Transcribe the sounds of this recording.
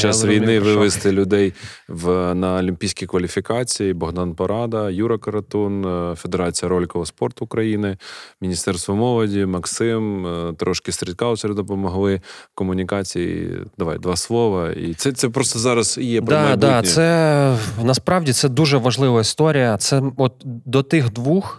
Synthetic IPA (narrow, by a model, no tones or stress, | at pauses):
t͡ʃasʋʲijnnɪʋɪʋɪst̪ɪlʲʊd̪ɛjʋnɐɔlʲimʲpʲijsʲkʲikʋɐlʲifʲikɑt͡sʲijibɔɦd̪ɑnpɐɾɑd̪ɐjuɾɐkɐɾɐt̪ɔnfed̪eɾɑt͡sʲijɐɾɔlʲkɔʋɐspɔrt̪ʊkɾɐjinɪmʲinʲist̪ɛrst̪ʋɔmɔʋɐdʲimɐksɪmt̪ɾʔɔʃkʲɪst̪ɾʲɪt̪kɑlˠsʲɾʲɛd̪ɔpɔmɔɦlˠɪkɔmʊnʲikɑt͡sʲijḭd̪̥ɐʋɑ̰jd̪ʋɑslˠɔʋɐḭt̪sɛt̪sɛpɾɔst̪ɔzɑɾɐzijɛpd̪ɑd̪ɑɛ | nɐspɾɑwdʲit̪sɛd̪uʒɛʋɐʒlˠɪʋɐist̪ɔɾʲijɐt̪sɛɔt̪̚d̪ɔt̪ɪxd̪ʋux